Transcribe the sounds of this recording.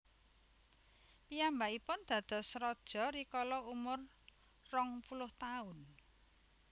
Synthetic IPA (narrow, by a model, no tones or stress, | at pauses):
piambaipʊnd̪̥ä̤d̪̥ɔ̤sɾɔd̥ʒ̥ɔ̤ɾikɔlɔumʊrː | ɔŋpulʊht̪aʊn